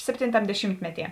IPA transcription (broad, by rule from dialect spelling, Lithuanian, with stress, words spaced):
ˈsʲæːpʲtʲɪntɐm dʲɛˈʃʲiːmʲtʲmʲɛˌtʲiɛ